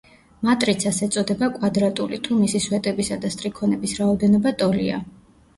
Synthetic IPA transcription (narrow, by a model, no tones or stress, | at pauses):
mat̪ʼɾit̪sʰasɛt̪sʼɔd̪ɛbakʼwad̪ɾat̪ʼulit̪ʰumisiswɛt̪ʼɛbisad̪ast̪ʼɾikʰɔnɛbisɾaɔd̪ɛnɔbat̪ʼɔlḭa̰